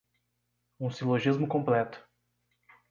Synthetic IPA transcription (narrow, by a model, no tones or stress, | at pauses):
ũsiloʒizmʊkõmplɛt̪ʊ̥